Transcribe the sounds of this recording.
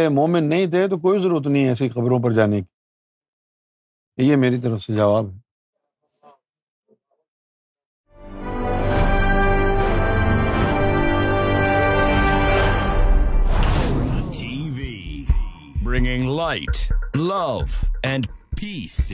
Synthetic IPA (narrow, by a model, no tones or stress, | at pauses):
emoːmɪnːɐɦĩt̪̬ʰet̪ok̬oːizəɾuːɾət̪nɐɦĩɛːs̬iqɐbɾõp̬ɐɾd͡ʒaːneki̥ː | jemeːɾit̪̬əɾəfsed͡ʒɐʋaːbɦɛː | tʰivi | bɹɪ̃ŋɪ̃ŋlaɪtlʌvɨ̃npʰis